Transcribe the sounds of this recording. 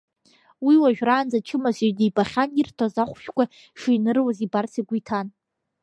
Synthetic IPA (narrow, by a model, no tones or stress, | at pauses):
wiwaʒᶣraːnd͡zat͡ʃʰɨmaziɥdibaχʲanirtʰozaχʷʃᶣkʷa | ʂijnɨrwazibarsiɡʷitʰan